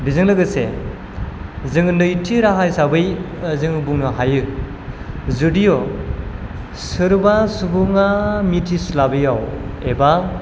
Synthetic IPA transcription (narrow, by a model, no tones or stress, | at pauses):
bizɯŋlɯɡɯse | zɯŋɯndɯjtʰiɾaɦajsabɯjzɯŋɯbuŋnɯɦajɯ | zɯdijo | sɯɾbasubuŋamitʰislabɯjaweba